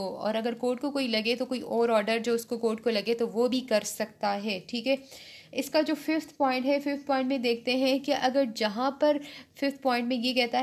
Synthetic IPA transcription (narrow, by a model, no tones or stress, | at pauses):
oɔ̰ːɾɐɡəɾkoːʈkokoːilɐɡet̪okoːiʔɔːɾɔːɾɖəɾd͡ʒoːʊskokoːʈ̚kolɐɡet̪oʋobʱikɐɾsɐkt̪aɦɛːʈʰiːkɦɛː | ɪskad͡ʒoːfɪft̪ʰpɔ̃ːɪ̃ɳʈɦɛfɪft̪̚ʰpɔːɪ̃ɳʈmẽd̪eːkʰt̪eɦɛ̃kiʔɐɡəɾd͡ʒɐɦãpɐɾfɪft̪̚ʰpɔ̃ːɪ̃ɳʈmẽjekɛɦt̪aɦ